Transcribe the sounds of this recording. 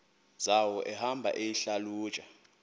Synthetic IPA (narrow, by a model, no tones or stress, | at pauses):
zawɔʔɛhambʱa̰ʔejiɬalu̥ːt͡ʃʼa